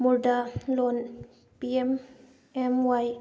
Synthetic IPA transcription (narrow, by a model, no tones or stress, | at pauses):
muɹɖalon | piem | emwaj